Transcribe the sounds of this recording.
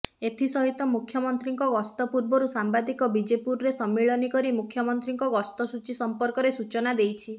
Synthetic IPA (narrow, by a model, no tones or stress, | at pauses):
et̪ʰisɔɦit̪ɔmukʰjɔmɔnt̪ɾiŋkɔɡɔst̪ɔpuɾbɔɾusambad̪ikɔbid͡ʒepuɾɾesɔmːiɭɔnikɔɾimukʰːjɔmɔnt̪ɾiŋkɔɡɔst̪ɔsut͡ʃisɔmpɔɾkɔɾesut͡ʃɔnad̪ejt͡ʃʰi